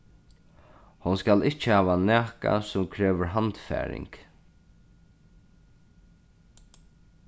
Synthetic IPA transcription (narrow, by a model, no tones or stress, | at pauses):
hʊnskalɪht͡ʃːəhaːʋanæːka̰sʊmkʰɾɛːʋəɾɦant̪fæ̰ːɾɪ̰ŋk